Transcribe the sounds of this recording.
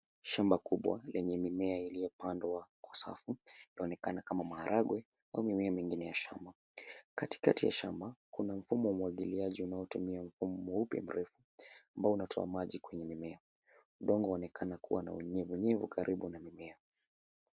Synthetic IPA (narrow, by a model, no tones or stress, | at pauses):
ʃambakuɓwa̰lɛɲɛmimɛailijɔpandwakwasa̰fujaɔnɛkanakamamahaɾʔaɡwɛ | aumimɛamiŋɡinɛjaʃa̰mba | kati̥katija̰ʃambakunam̩fumɔwamuaɠiliaʄiunaɔtumiaɱ̩fumɔupja̰m̩ɾɛfu | ambaɔunatʰɔ̰amaʄikwɛɲɛmimɛa | uɗɔŋɡɔɔnɛkʰanakuwana̰uɲɛvuɲɛvukʰaɾʔiɓunamimɛa